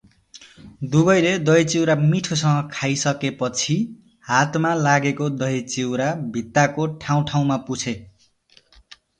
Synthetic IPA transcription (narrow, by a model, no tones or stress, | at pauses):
d̪ubʌjled̪ʌjt͡siwɾamiʈʰosʌŋʌkʰajsʌkepʌt͡sʰi | hat̪malaɡekod̪ʌit͡siwɾabʱit̪ːakoʈʰaw̃ʈʰaw̃maput͡sʰe